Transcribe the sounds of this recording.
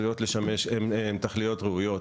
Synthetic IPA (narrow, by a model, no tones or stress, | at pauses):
ijo̞t̪le̞ʃame̞ʃememt̪aχlijo̞t̪ʁeujo̞t